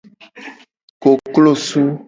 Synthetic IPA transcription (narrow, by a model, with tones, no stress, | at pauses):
ko˨klo˦˨su˦